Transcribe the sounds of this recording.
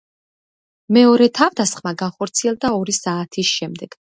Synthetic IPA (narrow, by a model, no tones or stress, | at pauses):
mɛɔɾɛt̪ʰavd̪asχmaɡanχɔɾt̪sʰiɛlˠd̪aɔɾisaːt̪ʰisʃɛmd̪ɛɡ̥